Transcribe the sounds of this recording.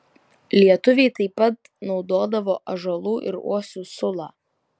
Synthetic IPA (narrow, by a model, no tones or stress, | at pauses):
lʲiɛt̪ʊʋʲɛɪt̪ɐɪpːɐt̪ | nɒʊd̪oːd̪ɐʋoːʔɐʒolˠuːʔɪ̰ɾṵɔsʲuːsʊlˠɑː